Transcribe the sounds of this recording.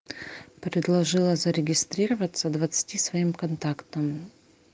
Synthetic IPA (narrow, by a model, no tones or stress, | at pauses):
pɾʲɪd̪lˠɐʐɨlˠəzəɾʲɪɡʲɪst̪ɾʲiɾəvət̪səd̪vɐt̪sɨ̥tʲisvɐimkɐnt̪akt̪əm